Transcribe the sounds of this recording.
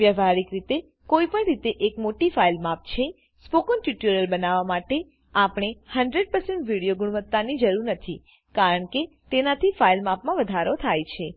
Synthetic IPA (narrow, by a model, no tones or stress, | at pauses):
ʋjəʋaɾikɾit̪e | koipəɳɾit̪eʔekmoʈifailmap̚t͡ʃʰe | spokənʈjuʈuɾjəlbənaʋamaʈe | apɳ̃ehəɳɖɾeɖ̚pəɾsẽɳʈʋiɽijoɡuɽ̃uʋət̪ːanid͡ʒəɾuɾnət̪ʰi | kaɾəɳke | t̪enat̪ʰifailmapmãʋəd̪ʱaɾot̪ʰajt͡ʃʰe